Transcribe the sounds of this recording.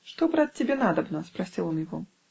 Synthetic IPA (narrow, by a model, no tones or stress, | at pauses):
ʂt̪ɔbɾat̪̚ʲt͡sʲːabʲɛnad̪ɐbnɐspɾasʲilˠɔmjaɣɔ